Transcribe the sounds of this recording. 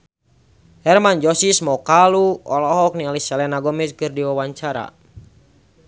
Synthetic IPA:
hɛrmand͡ʒɔsismɔkaluɔlɔɦɔk̚nialisɛlɛnaɡɔmɛskɨrdiwawaɲt͡ʃaɾa̰

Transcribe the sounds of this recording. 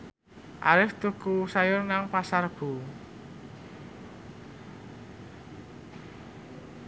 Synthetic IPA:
ʔa̰ɾɪft̪ukusajʊrnaŋpasarb̥ṳ

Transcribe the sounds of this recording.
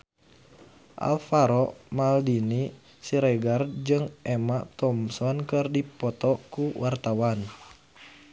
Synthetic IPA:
ʔa̰lfaɾɔmaldini | siɾɛɡard͡ʒɨŋʔɛmat̪ɔmsɔnkɨrdipɔt̪ɔkuwart̪awan

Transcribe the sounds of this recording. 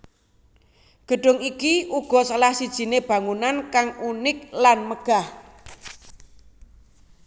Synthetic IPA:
ɡ̥ə̤ɖ̥ʊ̤ŋikiʔuɡ̥ɔ̤səlahsid̥ʒ̥i̤neb̥a̤ŋunankaŋunɪk̚lanməɡ̥a̤h

